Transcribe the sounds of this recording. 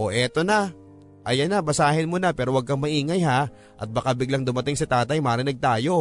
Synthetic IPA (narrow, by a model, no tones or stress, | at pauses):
ʔo̞ʔɛt̪o̞nɐ | ʔɐjɐnːɐbɐsaːɦɪnmonɐpɛːɾowɐɡ̚kɐŋmɐʔiːŋɐjha | ʔɐt̪̚bɐkabɪɡlaŋd̪ʊmɐt̪ɪŋsɐt̪aːt̪ɐjmaːɾɪnɪɡ̚t̪aːjo̞